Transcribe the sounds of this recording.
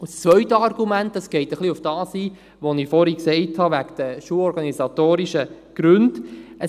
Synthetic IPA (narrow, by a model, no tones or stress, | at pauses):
ʊst͡sʋœʏtəɑɾɡ̥umæntːɑsɡ̥ɛɪtəχliʊfd̥ɑːsiː | ʋonifɔɾiksɛɪthɑʋækd̥əʃuəɔɾɡɑnisɑtoːɾiʃə | ɡ̥ɾʉndə